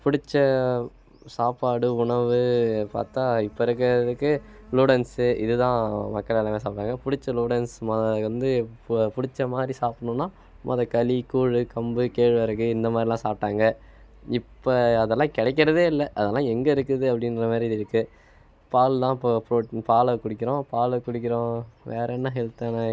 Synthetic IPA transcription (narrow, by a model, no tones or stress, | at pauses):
pʊɽɪt͡ʃːɐ | saːpaːɽɯʊɳɐʋɯpa̰ːɾt̪ãːɪpːoɪɾɯk̬ːɐɾɐðɯkːɯ | luːɽɐnsɯɪ̰ðɯt̪ãːmɐkːɐɭɛlɐmẽːsaːp̚ʈːaːŋɡɐpʊɽɪt͡ʃːɐluːɽɐnsmɐʋɐnd̪ɯpʊɽɪt͡ʃːɐmaːd̪ɾisaːpɐɳʊ̃nːaː | mʔɐ̰ðɐkɐlikuːɻɯkɐmbɯkeːɻʋɐɾɯkːɯɪnd̪ɐmaːd̪ɾɪlãːsaːp̚ʈːaːŋɡɐ | ɪpːoɐðɛlːãːkɪɽɐɛkːɪɾɐðeːɪlːɛʔɐðɛlːãːɛŋɡɐɪɾɯkːɯðɯɐpːɐɽɪnɾɐmaːɾiɐðɪɾɯkːɯ | paːlt̪ãːɪpːopoʈpaːlɐkʊɽɪkːɪɾõpaːlɐkʊɽɪk̬ʲːɪɾõːʋḛːɾɐnːɐɦɛlt̪ɐna